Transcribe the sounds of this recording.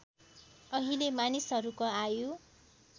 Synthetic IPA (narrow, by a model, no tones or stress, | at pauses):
ʌɦilemanisɦʌɾukoajo